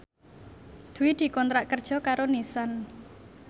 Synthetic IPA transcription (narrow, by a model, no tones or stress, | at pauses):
d̪̥ṳwid̪̥i̤kɔnt̪ɾaʔkərd̥ʒ̥ɔ̤kaɾonisan